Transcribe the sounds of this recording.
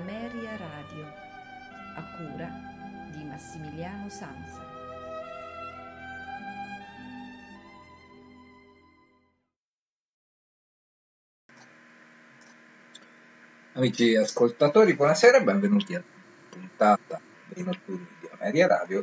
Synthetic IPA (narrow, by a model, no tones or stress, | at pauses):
mɛːɾjaɾaːd̪jo | akːuːɾa | d̪imasːimiljaːnosansa | amiːt͡ʃiaskolt̪at̪oːɾibwɔnasɛːɾabɛɱvenuːt̪iad̪u | punt̪aːt̪a | d̪enot̪ːurnid̪ia̰mɛɾjaɾa̰ːd̪jo